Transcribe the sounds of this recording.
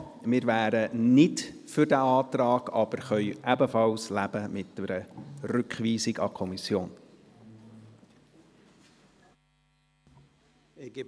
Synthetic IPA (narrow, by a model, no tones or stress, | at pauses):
mɪɾvæːɾənɪt | fʏɾdæɑːt̪rɑːɡ̥ɑb̥əɾχœʏʔæbəfɑlslæbəmɪtːəɾəɾʏkχʋiːsɪɡɑ̰kʰɔmisjoːn